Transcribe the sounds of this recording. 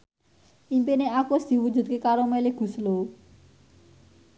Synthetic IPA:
ʔimpineakusd̪̥i̤wu̥d͡ʒṳt̪̚kekaɾomeliɡ̥ṳslo

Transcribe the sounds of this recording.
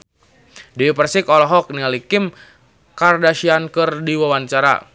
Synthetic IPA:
diwipərsikɔlɔɦɔk̚nialikim | kardaʃiankɨrdiwawant͡ʃaɾa̰

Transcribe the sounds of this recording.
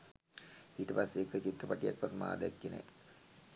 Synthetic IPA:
iːʈəpasːeːkːət͡ɕit̪rəpaʈijak̚pat̪ma̰ːd̪ɛkːenḛ

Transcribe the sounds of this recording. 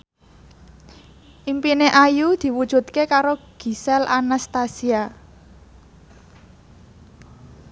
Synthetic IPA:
ʔimpineʔajud̪̥i̤wud̥ʒ̥ṳt̪̚kekaɾoɡ̥i̤sɛlʔa̰nast̪asia

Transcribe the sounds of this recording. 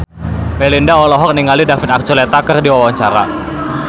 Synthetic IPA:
mɛlindaɔlɔɦɔk̚niŋalidafit̪ak̚t͡ʃulɛt̪akərdiwawaɲt͡ʃaɾa̰

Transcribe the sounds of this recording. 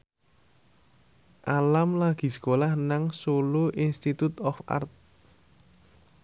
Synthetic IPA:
ʔalamlaɡ̥i̤sə̥kolahnaŋsoluʔinst̪it̪ut̪ɔfa̰rt̪̚

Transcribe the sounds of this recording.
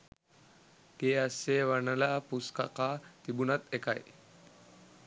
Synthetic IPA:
keɐseʋɐnɐlapuskaqat̪ibunɐt̪ekaj

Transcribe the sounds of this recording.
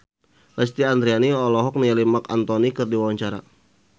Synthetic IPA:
lɛst̪iand̪ɾianiɔlɔɦɔk̚nialimakant̪ɔnikɨrdiwawaɲt͡ʃaɾa̰

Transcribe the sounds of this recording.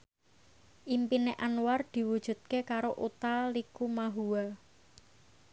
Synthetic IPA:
ʔimpineʔanward̪̥i̤wud̥ʒ̥ṳt̪̚kekaɾoʔut̪alikumaɦuwa

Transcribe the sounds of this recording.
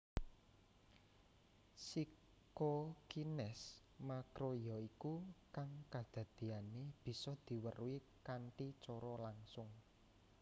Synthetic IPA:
si | kokinɛs | makɾojɔikukaŋkḁd̪̥ä̤d̪̥i̤aneb̥i̤sɔd̪̥i̤wəruwi | kaɳʈit͡ʃɔɾɔlaŋsʊŋ

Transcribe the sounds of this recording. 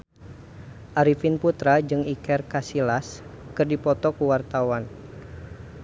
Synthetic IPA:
ʔaɾifinput̪ɾad͡ʒɨŋikɛrkasilaskɨrdipɔt̪ɔkuwart̪awan

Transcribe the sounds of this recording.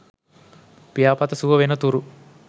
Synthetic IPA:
pijaːpɐt̪ɐsuʋɐʋenɐt̪uːɾu

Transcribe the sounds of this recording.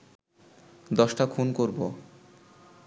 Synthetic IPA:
d̪ɔʃʈakʰunkoɾbo

